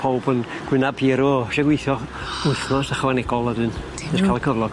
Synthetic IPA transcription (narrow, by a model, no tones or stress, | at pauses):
pʰowbən | ɡ̥wɪnab̥iːɾʊɔʃɛɡwɪθjɔ | ʊθnɔsaχɔvanɛɡɔlˠadɨːn | ɛskʰalˠkʰəvlˠɔɡ̥